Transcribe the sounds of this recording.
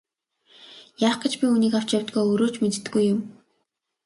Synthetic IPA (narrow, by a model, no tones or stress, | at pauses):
jaːχɡə̆t͡ɕpʲiuniːkaw̥t͡ɕjawʲt̪ɡoːɵɾoːt͡ɕmet̪t̪̆ɡujːʊm